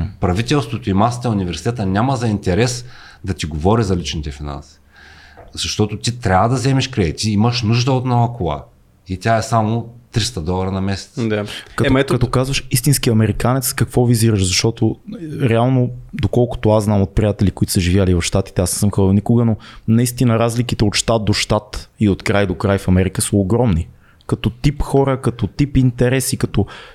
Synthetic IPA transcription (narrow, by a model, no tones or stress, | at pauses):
pɾɐvit̪ɛlˠst̪vot̪oimasə̥t̪əunʲivɛɾsi̥t̪ɛt̪ənʲaməzɐint̪ɛɾɛs | d̪ɐt̪iɡovɔɾizɐlit͡ʃnit̪ɛfina̰nsi̥ | zɐʃt̪ɔt̪ot̪it̪ɾʲabəd̪ɐzɛmɛʃkɾɛt̪iiməʃnuʒd̪əot̪naɐkʊlˠa̰ | it̪ʲaɛsamot̪ɾist̪əd̪ɔlˠɐɾənɐmɛsɛ̥t̪d̪akɐkɐt̪ɔkazvəʃist̪inskiɐmɛɾikanɛt̪skɐkvɔviziɾəʃzɐʃt̪ɔt̪oɾɛalˠnod̪okɔlˠkʊ̥t̪ʊaznamot̪̚pɾijat̪ɛlikoit̪ʊ̥səʒivʲjalivɐfʃt̪at̪i̥t̪ɛasnɛ̥səmxəbnikʊɡənonɐist̪inəɾazlikit̪ɛot̪ʃt̪at̪̚d̪oʃt̪at̪iot̪kɾajd̪okɾajfɐmɛɾikəsəoɡɾɔmni | kɐt̪ɔt̪ipxɔɾəkɐt̪ɔt̪ipint̪ɛɾɛsikɐt̪ɔ